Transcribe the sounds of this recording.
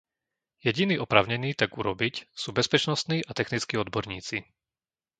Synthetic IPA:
jɛɟiniːɔpɾaːʊɲɛniːt̪aɡuɾɔbicsuːbɛspɛt͡ʃnɔst̪niːʔat̪ɛxnit͡skiːɔd̪bɔɾɲiːt͡si

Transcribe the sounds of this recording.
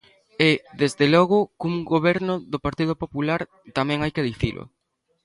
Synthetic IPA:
eðezðelɔɣʊkuŋɡoβɛɾnʊðopaɾt̪ið̞ʊpopulaɾ | t̪amɛ̃ŋajkeðiθilʔʊ̰

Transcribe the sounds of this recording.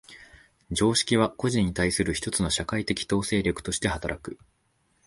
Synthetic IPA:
d͡ʑo̞ːɕi̥kʲiβ̞ako̞ʑĩɲ̟ːit̪aisɨɾɯ̟çi̥t̪o̞t͡sɨno̞ɕakait̪e̞kʲi̥t̪o̞ːse̞ːɾʲokɯ̟̥t̪o̞ɕi̥t̪e̞hat̪aɾʔakɯ̟

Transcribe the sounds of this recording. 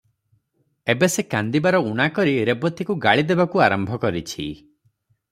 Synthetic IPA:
ebesekand̪ibaɾɔuɽ̃akɔɾiɾebɔt̪ikuɡaɭid̪ebakuaɾɔmbʱɔkɔɾit͡ʃʰḭ

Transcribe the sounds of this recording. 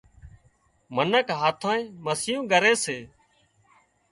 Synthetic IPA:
mənəkɦaːt̪ʰãːĩːməsɪjũːɡəɾeːseː

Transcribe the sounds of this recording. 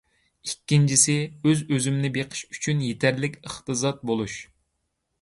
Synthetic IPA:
ikʲːint͡ʃʰisɪøzøzymnɪbeqʰə̥ʃy̥t͡ʃʰynjet̪ʰæɾlɪkʲəχt̪ɨzɑt̪̚bolˠuʃ

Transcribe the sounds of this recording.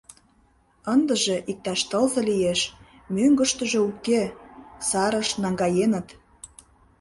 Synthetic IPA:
ənd̪ə̆ʒeʔik̚t̪ɑʃt̪əlzɤ̆lijeʃ | møŋɡə̆ʃt̪ə̆ʒĕukːesɑɾə̆ʃnɑŋɡɑjenə̆t̪

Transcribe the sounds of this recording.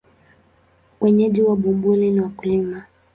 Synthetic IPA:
wɛɲɛʄiwaɓumbuliniwakulima

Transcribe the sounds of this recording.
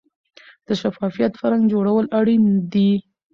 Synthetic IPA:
d̪̥əʃafɑfijat̪pəɾaŋɡd͡ʒoɽawəlaɽind̪i

